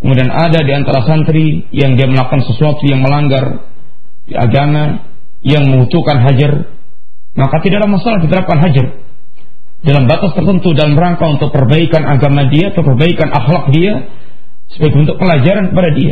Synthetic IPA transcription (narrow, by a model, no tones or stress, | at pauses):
kəmudianʔa̰dadiant̪aɾasant̪ɾi | jaŋdiaməlakansəsuat̪ujaŋməlaŋɡar | ia̰ɡama | jaŋməŋhut̪ukanɦad͡ʒar | makat̪idalamasalahdit̪əɾap̚kanɦad͡ʒar | dalambat̪ast̪ərt̪ənt̪udalamɾaŋkaunt̪ʊk̚pərbaikanaɡamadiat̪ʊpərbaikanʔa̰xlak̚dia | sə̥baɡbənt̪ʊk̚pəlad͡ʒaɾankəpadadia̰